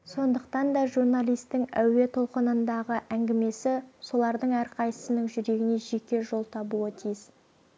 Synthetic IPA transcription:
so̞nd̪əq̚t̪ɑnd̪ɑʒurnalˠijst̪ɪŋæ̰we̞t̪ʰo̞lˠqənənd̪ɑʁəʔæŋɡʲɪme̞sɪso̞lˠɑɾd̪əɴæɾqʰɑjə̥sənəŋʒʏɾe̞ɡʲɪne̞ʒe̞kʲe̞ʒo̞lˠt̪ʰɑbuət̪ʰijɪz̥

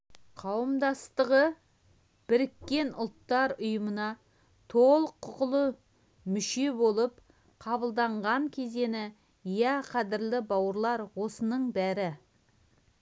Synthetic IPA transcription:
qʰɑwəmd̪ɑst̪əʁə | b̥ɪɾɪkʲːe̞nʊlˠt̪ːɑɾʊjəmənɑ | t̪ʰolˠəqʰːʊqəlˠə | mʏʃe̞bo̞lˠəp̚ | qʰɑbəlˠd̪ɑɴʁɑŋkʲʰe̞ze̞nɪ | jæqʰɑd̪ɪɾlɪbɑwəɾlˠɑɾwo̞sənəɴbæɾɪ

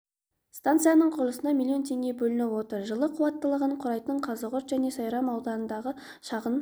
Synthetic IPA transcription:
st̪ant̪sɨjanəɴqʰʊɾlˠəsənɑmilˠijo̞nt̪ʰe̞ŋɡʲe̞bɵlɪnɪwo̞t̪əɾʒəlˠəqʰuwɑt̪ːəlˠəʁəɴqʰʊɾɑjt̪əɴqʰɑzəʁʊɾt̪ʒæne̞sɑjɾɑmɑwd̪ɑnənd̪ɑʁə | ʃɑʁən

